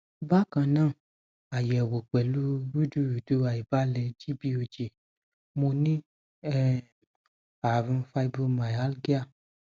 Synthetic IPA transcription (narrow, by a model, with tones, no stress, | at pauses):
ba˦kã˧nãː˦˨ | a˨jɛ˨wo˨k͡pɛ˨lu˦wu˦du˦ɾu˨du˨˦a˨i˨ba˦lɛ˧d͡ʒi˦bi˦o˧d͡ʒe˨ | mo˧nĩ˦ | ɛ˦ | a˨ɾũ˧˦fa˧i˦bo˧ma˨ja˦lɡi˦a˦˨